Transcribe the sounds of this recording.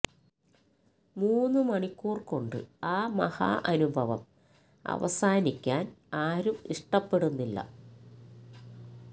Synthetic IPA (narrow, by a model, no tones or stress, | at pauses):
muːnːɨmɐɳikːuːrko̞ɳɖɨ̰aːmɐ̰ha̰ːʔɐnubʱɐʋɐm | ɐ̰ʋɐ̰saːnikʲːaːnaːɾumiʂʈɐpːe̞ɽunːilːɐ̰